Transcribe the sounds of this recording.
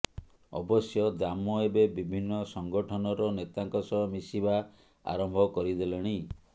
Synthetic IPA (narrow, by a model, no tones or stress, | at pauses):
ɔ̰bɔsjɔd̪amɔebebibʱinːɔsɔŋɡɔʈʰɔnɔɾɔnet̪aŋkɔsɔmisiba | a̰ɾɔmbʱɔkɔɾid̪elɔɽ̃i